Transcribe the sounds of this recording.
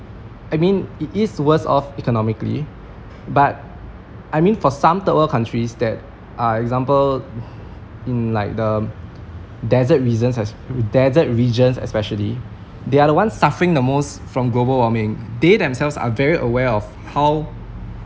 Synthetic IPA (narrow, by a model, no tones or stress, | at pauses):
ajmĩnititswəsɔ̰fikɔnɔmɪklḭ | bat̚ | ʔajmĩnfɔsãmt̪əpəlkʰãntɹisdɛt̚ | ʔaɛk̚zãmpəl | ĩnlaɪk̚də | dɛzət̚ɹizə̃nsɛs | dɛzət̚ɹid͡ʒə̃nsɛ̰spɛʃəli | deaɾəwãnsːafəɹɪ̃ŋdəmos | fɹɔ̃mɡlobəlwɔmɪ̃ŋdedɛ̃msɛlvsa̰vɛɹiʔəwɛɔf | haw